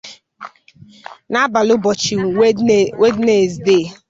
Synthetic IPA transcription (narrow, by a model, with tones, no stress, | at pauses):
na˦ba˨lʊ˦bɔ˨t͡ʃi˨wwe˦dne˨zde˦˨